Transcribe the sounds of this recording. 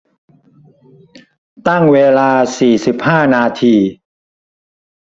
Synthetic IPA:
t̪a˥˩ŋweː˧laː˧siː˨˩si˨˩p̚haː˥˩naː˧t̪ʰiː˧

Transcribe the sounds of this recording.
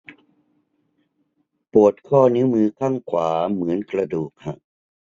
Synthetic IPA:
pu˨˩ət̪̚kʰɔː˥˩ni˧˦˥mɯː˧kʰa˥˩ŋkʰwaː˩˦mɯ˩˦ənkɾa˧duː˨˩k̚ha̰˧˩ʔ

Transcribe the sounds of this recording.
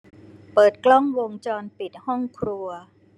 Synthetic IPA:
pɤː˨˩t̪̚klɔ˥˩ŋwo˧ŋt͡ɕɔː˧npi˨˩t̪̚hɔ˥˩ŋkʰɾu˧ɐ

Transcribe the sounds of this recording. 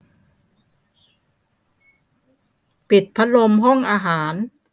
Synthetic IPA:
pi˨˩t̪̚pʰa˦˥lo˧mɦɔ˥˩ŋʔaː˧ɦaː˩˦n

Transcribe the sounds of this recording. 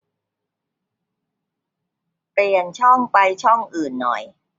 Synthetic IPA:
pli˨˩ənt͡ɕʰɔ˥˩ŋpa˧jt͡ɕʰɔ˥˩ŋʔɯː˨˩nːɔ̰˨˩j

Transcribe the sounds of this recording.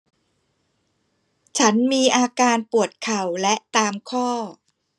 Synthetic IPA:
t͡ɕʰa˦˥nmiː˧ʔaː˧kaː˧npu˨˩ət̪̚kʰa˨˩wlɛ˦˥ʔt̪aː˧mkʰɔː˥˩

